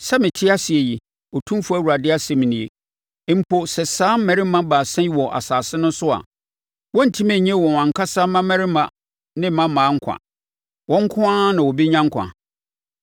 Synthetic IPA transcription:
sɛ˦mɪ̃˨tʰɪ˦a˦si˨e˨ji˨ | ɔ˨tʰũ˦mfu˦æ˦˨wu˨ɾa˨dɪ˦a˦sɛ˨mĩ˨nĩ˨e˨˦ | m̩˨pʰo˨sɛ˨sãː˦m̩˦mɛ̃˨ɾɪ˦mã˦baː˨sɛ̃˦i˦wɔ˨ʔa̰˨saː˨sɪ˦nʊ̃˦nsʊ˦a̰˨ | wɔ̃˦n̩˨tʰĩ˦mɛ̃˨ɲɛ̃˦wɔ̃˨wã˨ŋ˨kʰa˦sa˦mã˦mɛ̃˦ɾɪ˦mã˨ | nɪ̃˦m̩˦mã˦mːãː˨˦ŋ̩˦kʷʰã̰˨ | wɔ̃˦ŋ̩˦kʰʊ̃˦ã˦nã˨wɔ˨bi˦ɲã˦ŋ̩˦kʷʰã̰˨

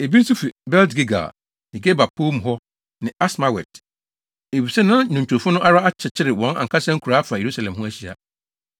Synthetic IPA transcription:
e˨bi˦su˦fi˨bɛ˦ltɡe˦ɡa̰˨ | e˨ɡe˦ba˨pʰo˦m˨ɦɔ˦ | nɪ̃˨a˦sma˦wɛ̰˨t | e˨bi˨sɛ˦nã˦ɲʊ̃˨ɲ˨t͡ɕᶣʰʊ˨fʊ̃˦nʊ̃˦ʔa˦ɾa˦a˦t͡ɕʰɛ˨t͡ɕʰɪ˦ɾɪ˨wɔ̃˨˦na̰˨ŋkʰa˦sɛ̃˦ŋ̩˦kʰu˨ɾa˨˦fa˨je˨ɾu˦sa˨lɛ̃˨mɦʊ̃˦æ˦ɕi˦˨a̰˨

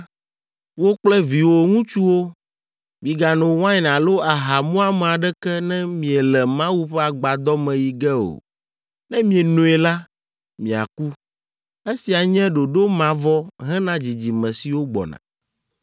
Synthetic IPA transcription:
wo˦k͡plɛ˦vi˨wo˨ŋũ˦t͡ʃu˦wo˦ | mĩ˨ɡa˨nõ˨wã˦ɲ˨nã˨lo˦a˨ɦa˨mũ˦a˦mɛ˨a˨ɖɛ˦kɛ˦nɛ̃˦mĩ˨ɛ˨lɛ˨mã˦wu˦ɸɛ˦a˨ɡ͡ba˨d̪ɔ˦mɛ̃˨ji˨ɡɛ˦o̰˨ | nɛ̃˦mĩ˦ɛ˨nũ˨˦ɛ˨la˦ | mĩ˨a̰˨ku˦ | e˦si˨a˨ɲɛ̃˦ɖo˨ɖo˦mã˨vɔ˦ɦɛ̃˦nã˦d͡ʑi˨d͡ʑi˨mɛ̃˨si˨wo˦ɡ͡bɔ̰˨nã̰˨

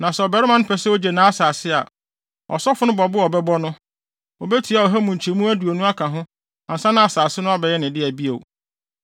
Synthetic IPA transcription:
nã˨sɛ˨ɔ˨bɛ˨ɾɪ˦mã˦nʊ̃˦pʰɛ˨sɛ˦o˦d͡ʑɛ˨nã˨˦a˦saː˨sɪ˦a̰˨ | ɔ̰˨sɔ˦fʊ˦nʊ̃˦bɔ˨bʊ˦ɔ˨bɛ˦bɔ˦nʊ̃˦ | o˨bɛ˦tʰi˨a˨ɔ˨ɦæ˦mũ˨ɲ˨t͡ɕʰmũ˦æ˦du˨o˨nũ˦a˦kʰã˨ɦʊ̃˦ | ã˨n̩˨sã˦nã˦a˨saː˨sɪ˦nʊ̃˦a˦bɛ˨jɛ˦nɪ̃˨dɪ˦æ˨bi˦o̰˨

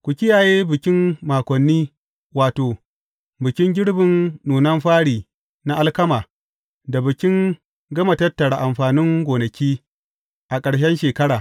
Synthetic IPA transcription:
kʷʊ˨kʲɪ˦jaː˨jeː˦bɪ˨kʲɪ˦mːaː˨kʷɔ˨nːiː˦ | waː˨toː˨ | bɪ˨kʲɪ˦ŋɡʲɪ˦ɽbɪ˨nnuː˨nɐ˦mɸaː˦ɽiː˨ | na˦ʔa˦lkɐ˦maː˨ | da˨bɪ˨kʲɪ˦ŋ | ɡɐ˦mɐ˨tɐ˦tːɐ˨ɽa˨ʔa˨mɸaː˨nɪ˦ŋɡʷoː˨nɐ˨kʲiː˦ | ʔa˨kʼɐ˨ɽʃ̬ɛ˦nʃeː˨kɐ˦ɽaː˨

